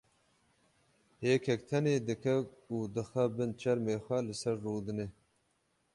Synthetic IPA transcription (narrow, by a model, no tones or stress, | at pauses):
heːkʰɛk̚t̪ʰɐneːd̪ɨkʰɐuːd̪ɨxɐbɨnt͡ʃʰɐɾmeːxʷɐlɨsɐɾːuːd̪ɨneː